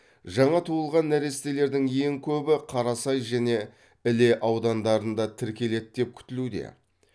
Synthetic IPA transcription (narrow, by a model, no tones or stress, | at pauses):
ʒɑɴɑt̪ʰuəlˠʁɑnːæɾe̞st̪e̞le̞ɾd̪ɪŋje̞ŋkʲʰɵbɪqʰɑɾɑsɑjʒæne̞ | ɪle̞ʔɑwd̪ɑnd̪ɑɾənd̪ɑt̪ʰɪɾkʲe̞le̞t̪̚d̪e̞p̚kʲʰʏ̥t̪ɪlud̪e̞̰